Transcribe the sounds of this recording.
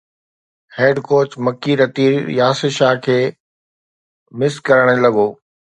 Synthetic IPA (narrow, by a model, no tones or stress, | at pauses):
heːɖkoːt͡ɕmɐkiɾɐt̪iːɾjaːsɪʃaɦkʰeː | mɪskɐɾəɽ̃ə̆lɐɠoː